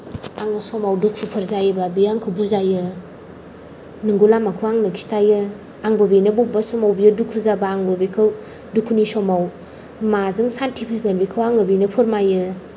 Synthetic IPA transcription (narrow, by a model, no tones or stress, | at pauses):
aŋɯsɔmawdukʰupʰɯɾzajbabiaŋkʰɯbuzajɯ | nɯŋɡulamakʰɯwaŋnɐkʰi̥stajɯ | aŋbɐbinɐbubasɔmawbijɯdukʰuzabaːŋbɯbikʰɯw | dukʰːunisɔmaw | mazɯŋsantʰipʰikenbikʰawaŋɯbinɐpʰuɾmajɯ